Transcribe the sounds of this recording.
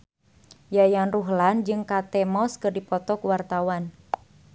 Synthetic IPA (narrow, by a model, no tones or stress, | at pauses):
jajanruɦland͡ʒɨŋkat̪ɛmɔskɨrdipɔt̪ɔkuwart̪awan